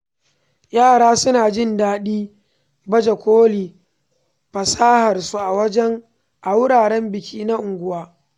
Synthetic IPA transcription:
jaː˦˨ɽaː˦sʊ˦naː˨d͡ʒɪ˦˨ndaː˦ɗiː˦ | bɐ˦d͡ʒe˨kʷoː˦liː˨ | ɸɐ˨saː˦hɐ˨rsu˦ʔa˨wɐ˦d͡ʒɛ˦ŋ | ʔa˨wʊ˦ɽaː˨ɽɛ˦mbɪ˨kʲʰiː˦na˦ʔʊ˨ŋɡʷʊ˦waː˦

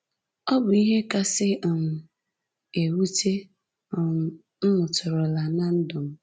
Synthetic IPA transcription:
ɔ˦bʊ˨i˦ɦe˦ka˦sɪ˦˨m̩˨ | e˨wu˦te˦˨˦ | mʊ˨tʊ˨ɾʊ˨la˨na˦n̩˦dʊ˨m̩˦

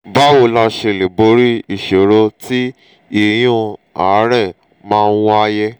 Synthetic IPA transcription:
ba˦wo˧˨la˧ʃe˧˨le˨bo˨˦ɾi˦i˦˨ʃe˨ɾo˧ti˦ | i˦˨j̃ũ˧a˨˦ɾɛ˦˨ | mãː˦˧n˦wa˧jɛ˦

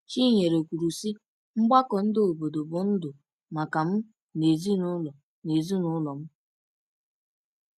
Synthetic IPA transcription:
t͡ʃi˦ɲe˨ɾo˨kʷu˨ɾu˨si˦ | ŋ͡m̩˦ɡ͡ba˦kɔ˨n̩˦dɪ˦o˨bo˨do˨bʊ˨n̩˦dʊ˨ | ma˨ka˨m̩˦ | ne˨zi˦nʊ˦lɔ˨ | ne˨zi˦nʊ˦lɔ˨m̩˦

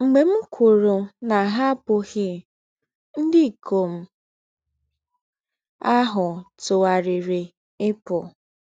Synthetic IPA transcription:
ŋ͡m̩˨ɡ͡be˨m̩˦kʷo˨ɾo˨na˨ɦa˦pʊ˨ɣɪ˦ | n̩˦dɪ˦˨kʰo˨m̩˨ | a˦ɦʊ˨tʊ˨a˨ɾɪ˨ɾi˨ | ɪ˦pʊ˨

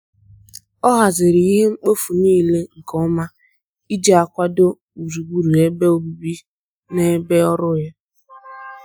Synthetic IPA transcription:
ɔ˦ɦa˨zɪ˨ɾɪ˨i˦ɦe˦ŋ͡m̩˦k͡po˦fu˨niː˦˨le˦ŋ̩˨kɔ˦ma˦ | i˦d͡ʒe˦˨a˨kʷa˦do˦ | u˨zu˨ɡ͡bu˨ɾu˨e˦be˦o˦bu˨bi˦ | ne˦be˦ɔ˦ɾʊ˦ja˦

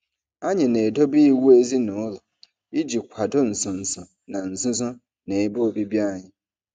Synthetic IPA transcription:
a˦ɲɪ̃˨nẽ˨do˦bi˦wu˦e˦zi˦nʊ̃˨ʊ˦lɔ˨ | i˦d͡ʑi˨kʷʰa˨dʊ˦n̩˨sʊ̃˨n̩˨sʊ̃˨ | nã˨n̩˨zʊ̃˦zʊ̃˦ | nẽ˨e˦bo˦˨bi˦bi˦a˦˨ɲɪ̃˨

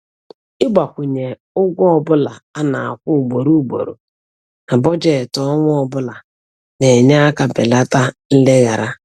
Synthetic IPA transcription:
ɪ˦ɡ͡ba˨kʷʊ˨ɲe˨ | ʊ˦ɡʷɔ˦ɔ˦bʊ˦la˨a˦na˨a˨kʷʊ˦˨ɡ͡bo˨ɾu˦˨ɡ͡bo̰˨ɾo̰˨ | na˨bɔ˦d͡ʒe˦˨tɔ˦ŋʷʊ˦ɔ˦bʊ˦la˨ | ne˨ɲa˦a˦ka˨be˨la˦ta˦n̩˦le˦ɣa˨ɾa˦

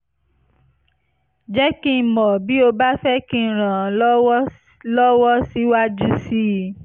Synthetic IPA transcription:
d͡ʒɛ˦kĩ˦˨mɔ̃˨bi˨˦o˧ba˦fɛ˦kĩ˦˨ɾ̃ã˨˦ | lɔ˦wɔ˦si˦wa˦d͡ʒu˦si˦˨

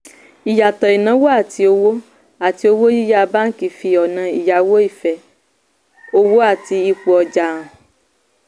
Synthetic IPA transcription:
i˨ja˨t̪ɔ˨i˨nã˨˦wo˦a˦˨ti˧o˧wo˦ | a˨ti˧˦o˧wo˦ji˦ja˧ba˦ŋ̩˦ki˨fi˧ɔ˨nã˨i˨ja˨wo˦i˦˨fɛ˨ | o˦wo˦a˦˨ti˧i˧k͡pu˨ɔ˨d͡ʒa˨ɔ̃˨

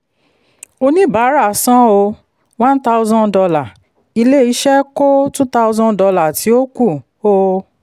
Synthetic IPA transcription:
o˧nĩ˦ba˨˦ɾa˦˨sã˦o˧ | wã˦n̩˦ta˧o˧zɔ̃˧dɔ˧la˨ | i˧le˦i˨˦ʃɛ˦ko˦tũ˦ta˧o˧zɔ̃˦dɔ˧la˨tʰi˨˦o˦ku˦˨ | o˧˦

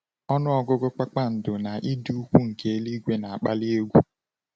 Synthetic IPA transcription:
ɔ˦nʊ˦ɔ˨ɡʊ˦ɡʊ˦k͡pa˦k͡pa˦n̩˨dʊ˨na˨ʔi˦du˦u˦kʷu˦ŋ̩˨ke˦e˦li˦ɡʷe˦na˨a˨k͡pa˦li˦e˦ɡʷu˦

